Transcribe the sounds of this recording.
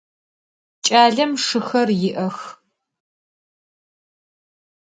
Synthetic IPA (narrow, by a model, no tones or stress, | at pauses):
t͡ʃʼaːɮɐmʂɨxɐrjɪʔɐx